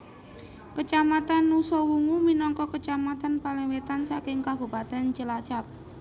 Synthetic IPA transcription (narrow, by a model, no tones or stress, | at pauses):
kət͡ʃamat̪anːusɔwuŋuminɔŋkɔkət͡ʃamat̪anpaliŋwet̪ansakɪŋkab̥ṳpat̪ɛnt͡ʃəlat͡ʃap̚